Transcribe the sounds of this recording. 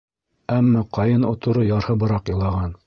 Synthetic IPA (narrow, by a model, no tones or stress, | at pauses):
æmːæqɑjɤnŏ̰t̪ŏɾɤjɑɾhɤbɤ̆ɾɑqjɤ̆lˠɑʁɑn